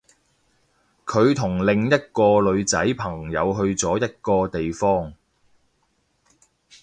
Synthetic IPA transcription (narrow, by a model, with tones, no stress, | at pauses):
kʰɵ˨˧ɥt̪ʰʊ˨˩ŋlɪ˨˧ŋjɐ˥t̚kɔː˧lɵ˨˧ɥt͡sɐ̰˨˥jpʰɐ˨˩ŋjɐ˨˧wɦɵ˧ɥt͡sɔː˨˥jɐ˥t̚kɔː˧t̪e˨jfɔː˥ŋ